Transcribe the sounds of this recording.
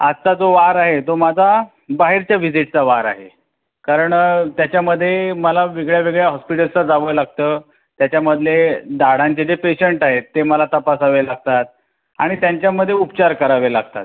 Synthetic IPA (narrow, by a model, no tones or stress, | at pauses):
ad͡zt̪ad͡zoʋaɾaɦet̪omad͡zʱa | baɦiɾt͡ɕjaʋid͡ziʈ̚t͡saʋaɾa̰ɦe | kaɾəɳt̪jat͡ɕjaməd̪ʱːjeməlaʋeɡɭjaʋeɡɭjaɦɔspiʈəlt͡sad͡zaʋəlaɡ̚t̪əː | t̪jat͡ɕjaməd̪ʱled̪aɽãɲt͡ɕed͡ʑepeɕəɳʈaɦet̪ːeməlat̪əpasaʋelaɡ̚t̪at̪̚ | a̰ɽ̃it̪jaɲt͡ɕjaməd̪ʱːjeupt͡ɕaɾkəɾaʋelaɡ̚t̪at̪